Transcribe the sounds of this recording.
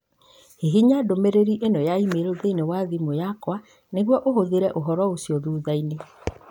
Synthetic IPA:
heɦiɲadomeɾeɾiʔenɔjaimeɾoðeinewaðimojakwa | neɣwɔʔoɦoðeɾɛʔoɦɔɾɔosiɔðuːðaine

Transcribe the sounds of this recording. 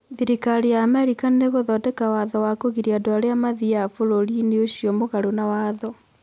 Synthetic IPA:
ðiɾikaɾijaːmɛɾikaneɣoðɔtɛkawaðɔwakoɣiɾiadoaɾeamaðiafoɾoɾineoɕjɔmoɣaɾonawaːðɔ

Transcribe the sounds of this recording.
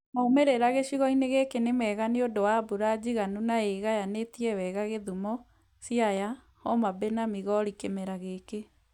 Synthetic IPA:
maumeɾeɾaɣeɕiɣɔineɣekenemɛːɣaniodowabuɾad͡ʑiɣanunaeɣajanetiɛwɛɣaɣeðumɔ | siaja | hɔmabenamiɣɔɾikemɛɾaɣeke

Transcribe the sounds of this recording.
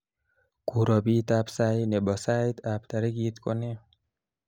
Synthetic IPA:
kuɾɔbit̪apsajnebɔsajt̪apt̪aɾiɡit̪koni

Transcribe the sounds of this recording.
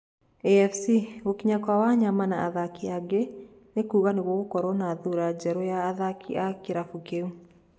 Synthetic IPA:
ɛɛfsiɣokiɲakwawaɲamanaaðakiaɡe | nekuːɣaneɣɔɣokɔɾɔnaðuɾad͡ʒɛɾɔjaːðakʰiakeɾafukeu

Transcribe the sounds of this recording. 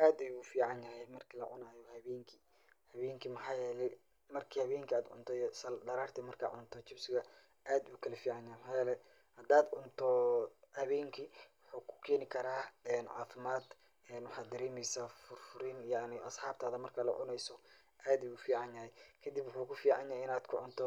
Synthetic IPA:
ʔaːd̪ɛjufiːʕɑnjɐɦɛjmɐrkʰilɐ̰ʕʊ̰naːjɔhɐβɛːŋkʰi | hɐβɛːŋkʰimɐħaːjɛːlɛj | mɐrkʰihɐβɛːŋkʰiaːd̪ʕʊ̰nt̪ʰɔsɐd̪ɐɾaːrt̪ʰɛmɐrkʰa̰ːʕʊnt̪ʰɔt͡ʃɪbsɪɣɐ | ʔaːd̪uːkʰɐlɐfiːʕɑnjɐhɛjmħaːjɛːlɛj | hɐd̪aːd̪ʕʊnt̪ʰɔhɐβɛːŋkʰiwʊħuːkʰʊ̥kʰɛːnɪkʰɐɾaːɛːnʕa̰ːfɪmaːd̪ | ɛːnwʊħɑːd̪ɐɾɛːmɛjsaːfʊrfʊɾinjaʕnɪʔɐsħɑːb̚t̪ʰaːðɐmɐrkʰɐlɐ̰ʕʊ̰nɛjsɔ | ʔaːd̪jufiːʕɑnjɐhɛjkʰɐd̪ɪbwʊħuːkʰʊfiːʕɑ̰njaɦɛɪnaːd̪kʰʊʕʊnt̪ʰɔ

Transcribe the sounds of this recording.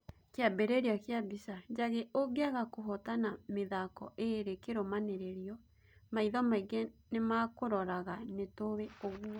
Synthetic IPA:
keabɛɾɛɾeɔkjabisad͡ʒaɣeʔoɡeaɣakoɦɔtanameðakɔ̰ʔeɾekeɾomaneɾeɾiɔ | maiðɔmaiɣenemakoɾɔɾaɣanetoweoɣuɔ

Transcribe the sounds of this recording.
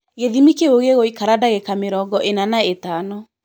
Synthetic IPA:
ɣeðimikeoɣeɣoikaɾadaɣekameɾɔːɡɔʔenanaetanɔ

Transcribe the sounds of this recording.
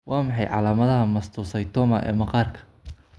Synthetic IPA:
wʔɑːmɑħɑjʕɑ̰laːmɐðɐɦɐmɐst̪ʰuːsɐjt̪ʰɔːmɐʔɛ̰ːmɑqɑːrkʰɐ̥

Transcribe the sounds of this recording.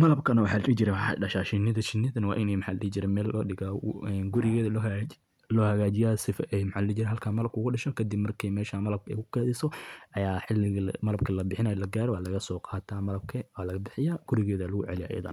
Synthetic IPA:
mɐlɐbkʰɐnɐwɑħaːllit͡ʃɪɾɛħɖɐʃaːʃɪnɪðɐt͡ʃɪnɪðɐnwɑ̰ːʔɪnɛjmɐħaːlɐlid͡ʒɪɾɛmɛːlɔ̰ːɗɪɣaɛnɡʊɾɪɣɛːðɐl | lɔːhɐɣaːt͡ʃɪjaːsɪfɐʔɛjmħaːlɪliːd͡ʒɪɾɛɦɐlkʰaːmɐlɐb̚kʰʊːɣʊɖɐʃɔkʰɐd̪ɪbmɐrkʰɛmɛːʃaːmɐlɐb̚kɛ̰jkʰʊ̥kʰɛːðɪsɔʔɐjaːħɪlːɪɣmɐlɐb̚kʰɐlɐbɪħɪnajɔlɐɡaːɾɔwaːlɐɣɐsɔːqɑːt̪ʰaːmɐlɐb̚kʰɐwaːlɐɣɐbɪħɪjaːɡ̥ʊɾɪɣɛːðɐlɐɣʊʕɛ̰lɪja̰ʔjɐ̰ðɐ̰n

